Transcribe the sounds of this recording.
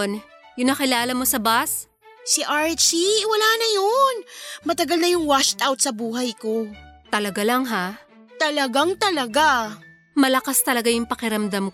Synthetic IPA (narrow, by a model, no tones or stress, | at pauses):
n | jʊŋnɐkɪlaːlɐmo̞sɐbas | siʔaɹt͡ʃiɪwɐlaːnɐjonmɐt̪ɐɡalnɐjʊŋwaʃt̪awt̪̚sɐbuːɦɐjkot̪ɐlɐɡalɐŋɦa | t̪ɐlɐɡaŋt̪ɐlɐɡa | mɐlɐkast̪ɐlɐɡajʊŋpɐkɪɾɐmd̪amk